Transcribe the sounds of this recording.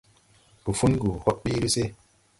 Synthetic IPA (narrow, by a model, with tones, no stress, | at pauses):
b̥u˨fu˦nɡu˨hɔ˦t̚ɓi˦ɾi˦se˦